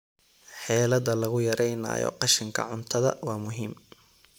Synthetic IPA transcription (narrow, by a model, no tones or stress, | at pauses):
ħɛːlɐðɐlɐɣʊjɐɾɛjna̰ːjɔ̰qɑʃɪŋkʰɐ̰ʕʊnt̪ʰɐðɐ̰wɑːmʊɦiːm